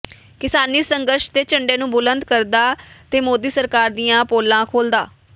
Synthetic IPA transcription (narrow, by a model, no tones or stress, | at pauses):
kɪsaːniːsəŋɡəɾʃt̪eːt͡ʃəɳɖeːnũːbʊlənd̪kəɾd̪aːt̪eːmoːd̪iːsəɾkaːɾd̪iːjãːpoːlãːkʰoːld̪aː